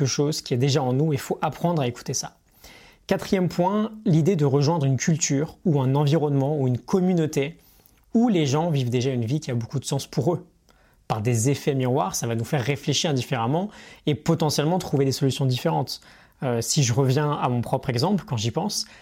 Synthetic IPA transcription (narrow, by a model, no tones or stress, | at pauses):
ɛkəʃozkʲiɛd̪eʒaɑ̃nuefoʔapχɑ̃d̪ʁaeku̥t̪esa | kat̪χijɛmpwɛ̃lid̪ed̪əʁəʒwɛ̃d̪ʁynkʲʰylt̪ʰyːʁuɛ̃nɑ̃viʁɔnmɑ̃uynkʰɔmynot̪e | uleʒɑ̃vivd̪eʒaynvikʲiabokud̪əsɑ̃spʰuʁø | paʁd̪ezefɛmiʁwaʁsavanufɛʁːefleʃiʁɛ̃d̪ifeʁamɑ̃epɔt̪ɑ̃sjɛlmɑ̃t̪χuved̪esɔlysjɔ̃d̪ifeʁɑ̃t̪ | øsiʒəʁəvjɛ̃a̰mɔ̃pχɔpχɛɡzɑ̃pləkɑ̃ʒipɑ̃s